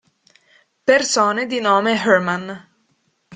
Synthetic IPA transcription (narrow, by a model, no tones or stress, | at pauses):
persoːned̪inoːmeɦɛrman